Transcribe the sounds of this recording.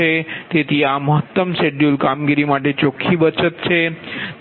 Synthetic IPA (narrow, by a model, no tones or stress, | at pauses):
et̪et̪ʰiaməɦət̪ːəmseɖjulkamɡiɾimaʈet͡ɕokʰːibət͡ʃət̪t͡ʃʰe